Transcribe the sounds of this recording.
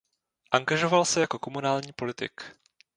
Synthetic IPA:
ʔaŋɡaʒo̞valsɛjako̞ko̞munaːlɲiːpo̞lɪt̪ɪ̰k

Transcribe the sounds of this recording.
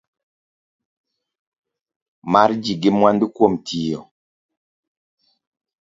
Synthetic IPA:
maɾd͡ʒiɡɪmwandɪkwomtʰijɔ

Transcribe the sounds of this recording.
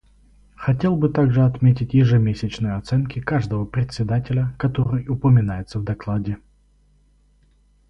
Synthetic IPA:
xɐtʲelˠbɨt̪aɡʐɨɐt̪mʲetʲɪtʲjɪʐɨmʲesʲɪt͡ɕnɨjəɐt̪sɛnkʲɪkaʐd̪əvəpɾʲɪt̪ʲsʲɪd̪atʲɪlʲəkɐt̪oɾɨjʊpəmʲɪnajɪt̪səvd̪ɐklˠadʲɪ

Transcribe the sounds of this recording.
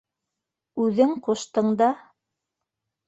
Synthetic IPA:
ʉðɘŋquʃt̪ɤ̆ɴd̪ɑ

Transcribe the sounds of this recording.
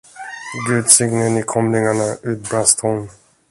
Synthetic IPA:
ɡʉ̟ːd̪sɪɡnənɪkʰɔmlɪŋaɳaʉ̟ːt̪̚bɾast̪ʰʊn

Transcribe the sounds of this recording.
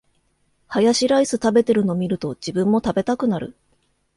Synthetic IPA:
hajaɕiɾaisɨt̪abe̞t̪e̞ɾɯ̟no̞mʲiɾɯ̟t̪o̞d͡ʑibɯ̃mːo̞t̪abe̞t̪akɯ̟naɾɯ̟̰

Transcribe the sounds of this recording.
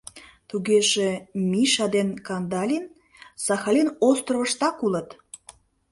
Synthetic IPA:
t̪uɣeʒemiʃɑd̪enkɑnd̪ɑlʲin | sɑxɑlʲinost̪roβəʃt̪ɑkulət̪

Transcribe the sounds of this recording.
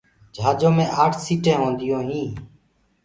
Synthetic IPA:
d͡ʒʱaːd͡ʒõːmẽːʔaːʈʰsiːʈẽːɦõːnd̪ɪjõːɦĩː

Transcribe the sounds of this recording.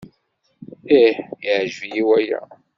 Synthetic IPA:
iħjʕʒvijiwæjæ̰

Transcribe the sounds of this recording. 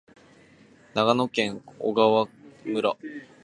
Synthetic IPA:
naɡano̞kẽ̞ŋo̰ɡaβamɯ̟ɾa

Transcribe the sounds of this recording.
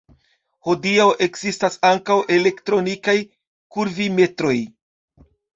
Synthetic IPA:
ho̞diawʔe̞kz̥istasaŋkawʔe̞le̞ktɾo̞nikaj | kuɾvime̞tɾo̞j

